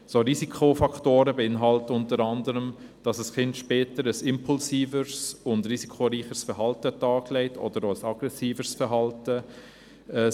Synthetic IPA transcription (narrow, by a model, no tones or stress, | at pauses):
soɾiːsikʰofɑkʰtoːɾəbɛɪnɦɑltəʊntəɾɑndəɾəmd̥ɑsəsχɪntʃpɛːtəɾəsɪmpʰulsiːvəɾsʊndɾisikʰoɾiːχəsfəɾɦɑltətɑːklɛɪtʰɔ̰dəɾoəsɑɡ̥ɾɛsiːfəsfəɾɦɑltə | ɛ